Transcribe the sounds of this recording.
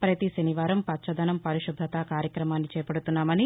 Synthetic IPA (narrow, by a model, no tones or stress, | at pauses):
pɾɐt̪isɐniʋaːɾɐmpɐt͡ʃɐd̪ɐnɐmpɐɾiʃud̪ʱːɐt̪aːkaːɾjɐkɾɐmaːnːit͡ʃɛːpɐɽut̪unːaːmɐni